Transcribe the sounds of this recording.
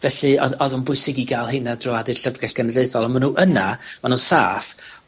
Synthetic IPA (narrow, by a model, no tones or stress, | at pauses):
vɛɬɨɔɔðɔnbʊɨsɪɡiɡaːlˠhejnadrɔadɨrɬəvɡɛɬɡ̥ənədeɨθɔlˠamanuːʔənamanuːsa̰ːf